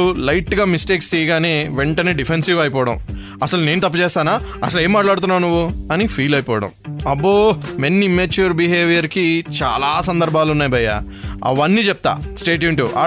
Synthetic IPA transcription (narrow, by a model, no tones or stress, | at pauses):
ulɐjʈɡaːmisʈeːkst̪iːɡaːneːʋeɳʈɐneːɖipʰensiʋɐjipɔːʋɐɽɐ̰m | ɐsɐlune̞ːnut̪ɐpːɐt͡ʃɛːst̪aːnaːɐs̬ɐle̞ːmːaːʈlaːɽt̪unːaːnuʋːuɐnipʰiːlɐjpɔːʋɐɽɐ̰mɐbːoːmenːimeːt͡ʃuɾbiɦeːʋijɐɾkit͡ʃa̰ːlaːs̬ɐnd̪ɐɾbʱaːlunːaːjbɐjːa̰ | ɐ̰ʋɐnːiːt͡ʃɛp̚t̪a̰ːsʈe̞ːʈ̬juɳʈuʔa̰ː